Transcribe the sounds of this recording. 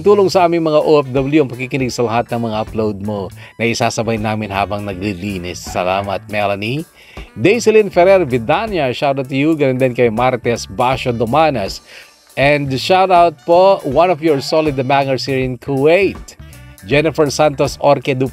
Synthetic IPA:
t̪uːloŋsɐʔaːmɪŋmɐŋaʔoʔɛfd̪ɐbɐljuɐŋpɐkikɪnɪɡsɐlɐɦat̪̚nɐŋmɐŋaʔɐplowd̪̚monɐʔɪsaːsɐbajnaːmɪnɦa̰ːbɐŋnɐɡ̚liliːnɪsːɐ̰la̰ːmɐt̪̚mɛlɐni | d̪ejsɪlinfɛɾɛɹvɪd̪anjɐʃawt̪ɐt̪juɡɐnɛnd̪ɛnkɐjmaɾt̪ɛsbaʃod̪omanɐs | ʔɛnd̪ʃawt̪awt̪̚powɐ̃nɔvjɔɹsolɪd̪ɐmaŋɐɹshiɹɪ̃nkʰʊwejt̪̚d͡ʒɛnɪfɛɹsant̪osʔoɾkɛd̪u

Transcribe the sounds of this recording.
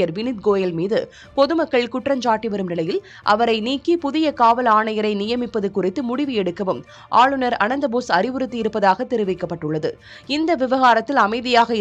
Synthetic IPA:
jɐɾʋɪnɪt̪̚ɡoːjɐlmiːðɯ | pɔðɯmɐkːɐɭkʊʈrɐɲd͡ʒaːʈːiʋɐɾɯmnɪlɐjɪl | ʔɐ̰ʋɐɾɐɪniːkːipʊðɪjɐkaːʋɐlaːɳɐjɐɾɐɪnɪjɐmɪpːɐðɯkːʊrɪt̪ːɯmʊɽɪʋɯɛɽɯkːɐʋɯm | ʔaːɭɯnɐɾɐnɐnd̪ɐboːsɐɾɪʋɯɾɯt̪ːiɪɾɯpːɐðaːɣɐt̪ːɛɾɯʋɪkːɐpːɐʈːɯɭːɐðɯ | ɪnd̪ɐʋɪʋɐɣaːɾɐt̪ːɪlɐmɐɪðɪjaːɣɐɪ

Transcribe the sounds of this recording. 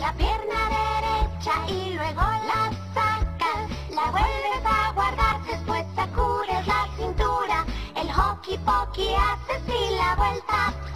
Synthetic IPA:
lapjeɾnaðeɾet͡ʃaʔilwe̞ɣolasakaslaβwelesaɣwaɾðaɾsespwesːekuɾezlasint̪uɾaelxokipokiasesilaβwelt̪a

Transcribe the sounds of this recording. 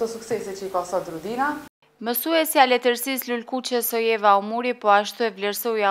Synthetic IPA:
ɔsuksɛsɛt͡ʃikɔsɔd̪ɾud̪ina | məsuɛsjalɛt̪əɾsislulkut͡ɕɛsɔjɛvaɔmuɾipɔaʃt̪uɛvlɛɾsɔja

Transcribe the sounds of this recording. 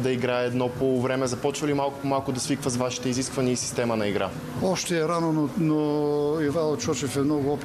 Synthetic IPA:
d̪ɐiɡɾaɛːd̪nɔpovɾɛmɛzɐpɔt͡ʃvəlimalˠkmalˠkʊd̪ɐsvikvəzvaʃi̥t̪ɛiziskvɐniəisi̥st̪ɛmənɐiɡɾa̰ | ɔʃt̪ɛːɾanononoivaot̪t͡ʃɔt͡ʃɛfɛmnɔɡʊɔp

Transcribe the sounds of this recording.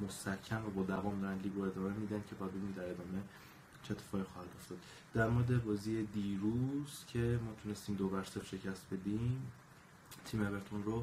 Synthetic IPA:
most̪æɾcʰːæmvæbɒːd̪ævɒːmd̪ɒːɾænd̪liːbɾoe̞d̪ɒːme̞miːd̪ænd̪cʲʰe̞bɒd̪unid̪æɾe̞d̪ɒːme̞ | t͡ʃʰet̪ʰːefɒːixɒːhæd̪o̞ft̪ɒd̪̥ | d̪æɾmoɾed̪e̞bɒːziːed̪iːɾuz̥cʰe̞mɒːt̪ʰune̞st̪iːmd̪ovæɾseɾʃe̞cʰæst̪̚be̞d̪im | t̪ʰiːmeβe̞ɾt̪ʰonro

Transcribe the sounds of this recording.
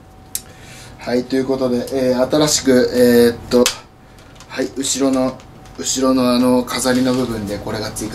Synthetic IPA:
hait̪o̞jɯ̟ko̞t̪o̞d̪e̞ʔeːat̪aɾaɕi̥kɯ̟eːt̪ːo̞ | haiɯ̟ɕiɾo̞no̞ | ɯ̟ɕiɾo̞no̞ano̞kʰazaɾʲino̞bɯ̟bɯ̟̃nd̪e̞ko̞ɾe̞ɡat͡sɨit̪

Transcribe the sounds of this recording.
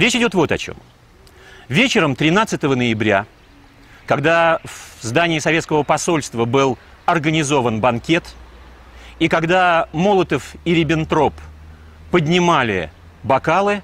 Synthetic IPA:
ɾʲet͡ɕɪdʲo̞t̪vo̞t̪ɐ̰t͡ɕo̰m | vʲet͡ɕɪɾəmt̪ɾʲɪnat̪sɨt̪əvənəjɪbɾʲa | kɐɡd̪avzd̪anʲɪːsɐvʲet̪skəvəpɐso̞lʲst̪vəbɨlˠ | ɐrɡənʲɪzo̞vənbɐnkʲe̞t̪ | ikɐɡd̪amo̞lˠət̪əfiɾʲɪbʲɪnt̪ɾo̞pː | ədʲnʲɪmalʲɪ̰ | bɐkalˠɨ

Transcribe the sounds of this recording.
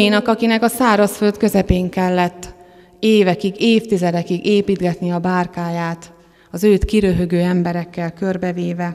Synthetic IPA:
inɒkɒkinɛkɒsaːɾɒsfø̞lt̪kø̞zɛpeːŋkɛlːɛt̪ː | eːvɛkiɡeːft̪izɛd̪ɛkiɡeːpiːd̪ɡɛt̪niɒbaːrkaːjaːt̪ | ɒzøːt̪kiɾøɦøɡøːɛmbɛɾɛkːɛlkø̞rbɛveːvɛ

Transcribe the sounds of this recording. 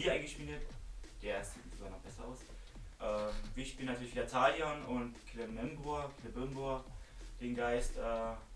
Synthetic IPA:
viɐaɪnŋɡəʃpiːnətd̥eːɐz̥iːtɪz̥oɡaːnɔχb̥ɛsɐaʊsʔɛːviːɐʃpiːlənːatyɐlçv̥iːdɐtʰaːljanʊntkʰlɪmɛnbuɐkʰlɪbɛmboɐd̥eːnɡaɪstʔɛː

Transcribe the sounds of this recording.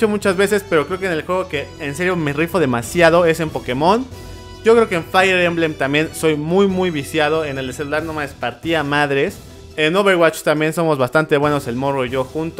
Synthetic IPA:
omut͡ʃazβe̞se̞spe̞ɾo̞kɾe̞okene̞lxwe̞ɣ̞oke̞ːnse̞ɾjome̞rifo̞ðe̞masjað̞o̞e̞se̞mpo̞ke̞mo̞n | ɟ͡ʝo̞kɾe̞okeeɱfajeɾemblemt̪ambje̞nso̞jmujmujβisjaðo̞e̞neleselulaɾnomaespaɾt̪iamaðɾe̞s | enoβeɾɣwat͡ʃst̪ambje̞nso̞mo̞zβast̪ant̪e̞βwe̞no̞se̞lmo̞roiʝo̞xunt̪

